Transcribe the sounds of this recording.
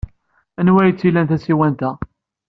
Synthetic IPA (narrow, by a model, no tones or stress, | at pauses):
ænwæjət͡sːilænt̪æsiwænt̪æ